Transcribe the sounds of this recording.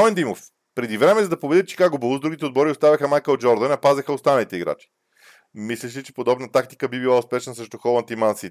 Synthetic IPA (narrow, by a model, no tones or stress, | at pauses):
ɔɛnd̪imof | pɾɛd̪ivɾɛmɛzɐd̪ɐpobɛd̪ɛt̪̚t͡ʃɛ̥kaɡobəlˠuzd̪uɡʲit̪ɛod̪bɔɾiost̪avʲɐxəmajkəd͡ʒɔɾd̪ənɐpazɛxəost̪anɐlit̪ɛiɡɾa̰t͡ʃi̥ | mislɛʃɛt͡ʃɛ̥pod̪ɔbnət̪akt̪i̥kəbibilˠaospɛʃnəsɾɛʃt̪oxɔlˠɐnt̪imansit̪